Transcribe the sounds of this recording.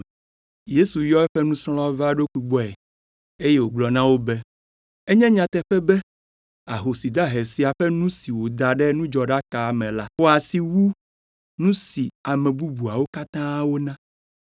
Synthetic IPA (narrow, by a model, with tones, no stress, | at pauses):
je˦su˨jɔ˦ɛ˦ɸɛ˦nũ˦slɔ̃˦va˦ɖo˦kʷi˦ɡ͡bɔ˦ɛ˨ | e˦je˦wo˨ɡ͡blɔ˨nã˦wo˦bɛ˦ | e˦ɲɛ̃˦ɲã˨t̪ɛ˨ɸɛ˦bɛ˦ | a˨ɦo˨si˨d̪a˦ɦe˨si˨a˨ɸɛ˦nũ˦si˨wo˨d̪a˨ɖɛ˦nũ˦d͡ʒɔ˨ɖa˦ka˨mɛ̃˨la˦ɔ˨a˨si˨wu˦ | nũ˦si˨a˨mɛ̃˨bu˦bu˨a˨wo˦ka˦t̪ã˦wo˦nã˦